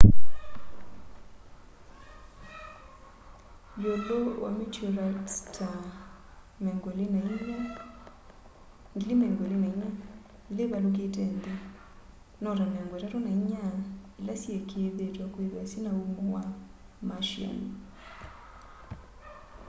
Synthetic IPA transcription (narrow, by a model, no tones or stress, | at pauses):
jolowa̰mitoɾattʰa | mɛŋɡolinaia | ŋɡlimɛŋɡolinaiɲa | leβalok̬etɛnd̪e | nɔɾanaŋɡwetatonaiɲaelasjekʰeeðetwakweðasinaumowa | maʃjia̰n